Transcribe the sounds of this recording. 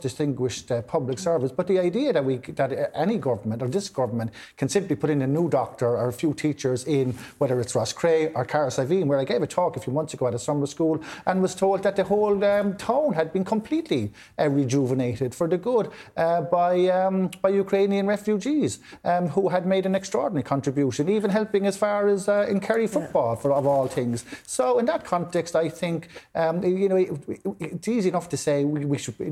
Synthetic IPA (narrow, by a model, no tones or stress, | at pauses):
d̥ɪstɪ̃ŋɡwɪʃtpʰʌblɪksɜ˞vɪsb̥ʌt̪̚ðiaɪdiəðət̚wiðəɾʔɛñiɡʌvə˞mə̃ntə˞ðɪsɡ̥ʌvə˞mə̃n | kʰə̃nsɪ̃mplipʰʊɾɪ̃ŋənuːdɔk̚tə˞ə˞əfjuːtʰit͡ʃə˞zɪ̃nwɛðə˞ɪtsɹɔskʰɹ̥eɪʔə˞kʰaɹəsaɪvĩnwə˞aɪɡeɪvətʰɔːkəfjumʌ̃nθsəɡoʊəɾəsʌmə˞skuːlʔə̃nwɒz̥tʰoʊlˠd̪̚ðət̪̚ðəɦoʊlˠtʰãʊ̃nəd̚bĩnkʰə̃mpʰl̥itʰli | əɹid͡ʒuvəneɪɾɪd̥fə˞ðəɡʊdʔʌbaɪʌmb̥aɪjukʰɹ̥ẽɪ̃niə̃nɹɛfjud͡ʒiz̥ | ʔʌhuəd̚meɪɾə̃nɛkstɹ̥ɔ̰ːɹdⁿn̩əɹikʰɑ̃ntɹ̥ɨbjuʃə̃niːvə̃nɦɛlˠpɪ̃ŋəz̥faːɹəzəɪ̃nkʰɛɹifʊt̚b̥ɔːlˠfə˞əvɔːlˠθɪ̃ŋz̥soʊɪ̃nðət̚kʰɑ̃ntʰɛkstaɪθɪ̃ŋkʌmjɨnoʊ | tsiːziɨnʌftʰəseɪwiwiʃəd̚i